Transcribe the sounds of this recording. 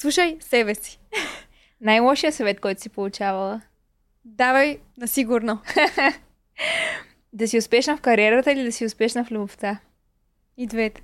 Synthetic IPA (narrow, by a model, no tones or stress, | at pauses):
slˠuʃəjsɛbɛsi̥ | najlˠɔʃijəsɐvɛt̪̚kɔjt̪ʊ̥sipolˠʊt͡ʃavəlˠə | d̪avəj | nɐsiɡʊɾno | d̪ɐsiʊspɛʃnəfkɐɾiɛɾət̪əilid̪ɐsiʊspɛʃnəflʲuboft̪a | id̪vɛt̪